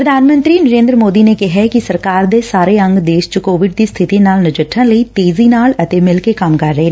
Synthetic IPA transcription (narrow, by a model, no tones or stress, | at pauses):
pɾəd̪ʱaːnmə̃nt̪ɾiːnəɾẽːnd̪ɾəmoːd̪iːneːkɪɦɛkɪsəɾkaːɾd̪eːsaːɾeːə̃ŋɡd̪eːʃt͡ʃəkoːʋɪɖd̪iːst̪ʰɪt̪iːnaːlnɪd͡ʒəʈʰːə̃ːləiːt̪eːziːnaːlət̪eːmɪlkeːkəmkəɾːəɦeː